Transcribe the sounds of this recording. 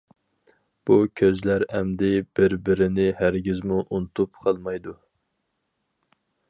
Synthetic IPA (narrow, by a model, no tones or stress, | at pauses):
b̥ukʲʰøzlæɾæmd̪ɪb̥ɪɾbɪɾɪnɪhæɾɡʲɪzmuʔunt̪ʰupqʰɑlˠmɑjd̪u